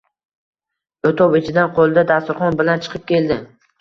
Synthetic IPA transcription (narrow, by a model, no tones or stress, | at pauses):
ot̪ʰɒwɪt͡ʃʰɪd̪anqʰolˠd̪ad̪ast̪ʊɾχɒnbɪlant͡ʃʰɨ̥qʰɨp̚kʲʰe̞ld̪ɪ